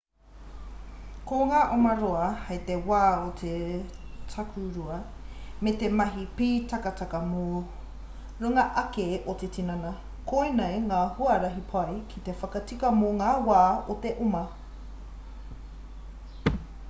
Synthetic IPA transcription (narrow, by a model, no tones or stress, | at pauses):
koŋaːʔomɐɾoɐhɐjt̪ewaːotʰe | tʰɐkʰuɾuɐ | met̪emɐɦipiːtɐkɐtɐkɐmo | ɾuŋɐʔɐkeʔot̪et͡sinɐnɐ | kʰoinejŋaːhuɐɾɐɦipʰɐjkʰit̪efɐkɐt͡sikɐmoŋaːwaːot̪eʔumɐ